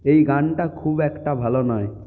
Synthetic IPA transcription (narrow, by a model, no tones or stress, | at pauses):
ejɡaɳʈakʰubɛkʈabʱalonɔe